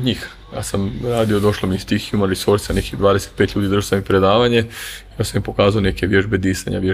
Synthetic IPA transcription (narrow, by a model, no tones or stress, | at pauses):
d̪ɲiːx | ja̰ːsamɾaːd̪io̞d̪o̞ʃlˠomiist̪ixiumaɾisoɾsanekid̪ʋaːd̪eset̪̚pet̪ʎʲuːd̪iːd̪r̩ʒosamipɾe̞d̪aːʋaɲejosamimpo̞kaːzaoneke̞ʋje̞ʒbe̞d̪iːsaɲa̰ʋje